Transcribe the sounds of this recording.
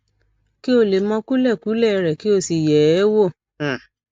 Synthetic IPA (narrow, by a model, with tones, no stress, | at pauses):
ki˦o˧˨le˨mɔ̃˧˦ku˦lɛ˦˨ku˨˦lɛ˦˨˧ɾɛ˨ki˦o˧˨si˨jɛ˨˦wo˦˨